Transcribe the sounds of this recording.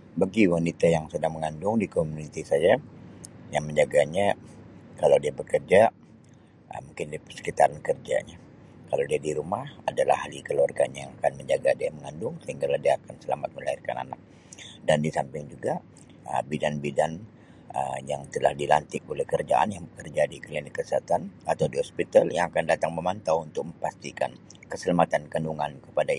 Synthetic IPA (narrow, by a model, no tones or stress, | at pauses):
baɡiwanit̪ajaŋsədaŋməŋandʊŋdikomunit̪isaja | jaŋməɲd͡ʒaɡaɲakalawdiabəkərd͡ʒa | ə̰muŋkɪndiapərsə̥kit̪aɾankərd͡ʒa̰ɲa | kalawdiadiɾumahadala̰halikəluarɡaɲajaŋakanməɲd͡ʒaɡadiaməŋandʊŋsəhiŋɡalahdiaːkansəlamat̪̚məlairka̰na̰nak̚ | dandisampɪŋd͡ʒuɡa | ə̰bidanbidan | ə̰jaŋt̪əla̰hdilant̪ɪkolɛhkərd͡ʒa̰ʔa̰njaŋbəkərd͡ʒadikəlinikəsəat̪anat̪awdiɦɔspit̪aljaŋakandat̪aŋməmant̪awunt̪ʊk̚məmpast̪ika̰nkəsəlamat̪ankənduŋankəpada